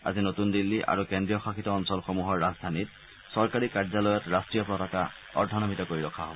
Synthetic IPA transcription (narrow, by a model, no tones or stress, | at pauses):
a̰zinotundilːiʔa̰ɹukendɹijɔxakitɔɔnsɔlxomuɦɔɹːazdʱanit̚ | sɔɹkaɹikaɹzalɔjɔtɹastɹijɔpɹɔtaka | ɔ̰dʱːɔnɔmitɔkoɹiɹɔkʰaɦobɔ